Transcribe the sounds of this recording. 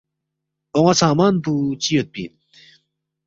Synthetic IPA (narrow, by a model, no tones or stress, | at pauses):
oŋasaːmaːnput͡ɕiːjot̪̚pḭn